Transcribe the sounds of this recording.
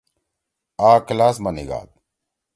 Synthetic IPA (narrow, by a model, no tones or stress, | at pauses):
aːklaːsmɐnḭɡa̰ːt̪̚